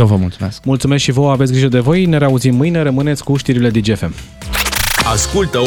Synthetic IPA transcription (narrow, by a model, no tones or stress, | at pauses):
jewvəmult̪sumesk̚mult̪sumeskʃivoavet̪sʲɡɾiʒəd̪e̞vo̞jneɾeauzimːɨjne̞ɾəmɨne̞t̪sʲkuʃt̪iɾile̞d̪id͡ʒefe̞m | askult̪ə